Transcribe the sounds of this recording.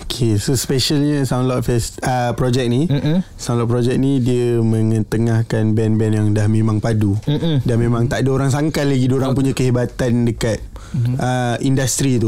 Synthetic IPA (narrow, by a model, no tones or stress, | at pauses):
okʰesospeʃalɲəsaw̃ndlɔt̪̚fɛsəpɾɔd͡ʒɛk̚nisaw̃ndlɔt̚pɾɔd͡ʒɛk̚nidiəməŋət̪əŋahkanbɛnbɛnjaŋdahmẽmãŋpadudanmẽmãŋt̪aʔdaoɾaŋs̬aŋkat̪laɡidoɾaŋpuɲakəɦibat̪andəkat̪̚ | əindast̪ɾit̪u